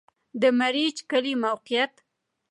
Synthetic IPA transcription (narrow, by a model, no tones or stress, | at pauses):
d̪əmaɾid͡ʒkalimawqijat̪